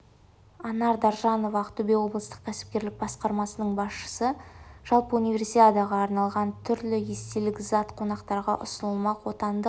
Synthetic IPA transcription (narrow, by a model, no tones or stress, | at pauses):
ɑnɑɾd̪ɑɾʒɑno̞vɑːqt̪ubewo̞blˠəst̪ə̥q̚kʲʰæsɪ̥p̚kʲe̞ɾlɪk̚bɑsqɑɾmɑsənəɴbɑsʃə̥səʒ̥ɑlˠpəunijvʲe̞ɾsit̪ad̪aʁɑːɾnɑlˠʁɑnt̪ʰʏɾlɪje̞st̪e̞lɪkʲzɑt̪qʰo̞nɑqt̪ɑɾʁɑʔʊ̰sənəlˠmɑqwo̞t̪ɑnd̪ə